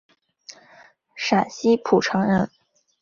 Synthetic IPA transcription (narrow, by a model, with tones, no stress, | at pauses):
ʂa˨˩nɕi˥pʰu˨˩ʈ͡ʂʰɤ˧˥ŋɻə˧˥n